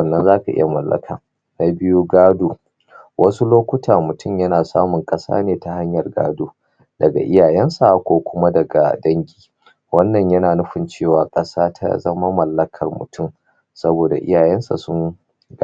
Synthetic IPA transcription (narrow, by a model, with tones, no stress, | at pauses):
nːɐ˦nzaː˦ka̰˨ʔɪ̰˦ja˨mɐ˨lːɐ̰˦kʰa̰ː˨ | na˦bɪ˦ju˦ɡaː˦doː˨ | wʔɐ˦su˦loː˦kʷʊ˦tʰaː˨mʊ˨tʊ˦˨mjɐ˦naː˨saː˦mʊ˨ŋkʼɐ˦sa̰ː˦neː˨ta˨ha˦ɲjɐ˨rɡa̰ː˦doː˨ | dɐ˨ɡa̰˨ʔɪ˦jaː˨jɛ˦nsa˨kʷoː˨kʷʊ˦ma˦dɐ˨ɡa̰˨dɐ˦ŋɡʲiː˦ | wɐ˦nːɐ˨ɲjɐ˦naː˨nʊ˦ɸɪ˨nt͡ʃeː˦˨waː˨kʼɐ˦saː˦tʰa̰˦zɐ˦ma˦mɐ˨lːɐ˦kʰɐ˨rmʊ̰˨tʰʊ˦˨m | sɐ˦boː˨da̰˨ʔɪ̰˦jaː˨jɛ˦nsa̰˨sʊ˦ŋ | ɡ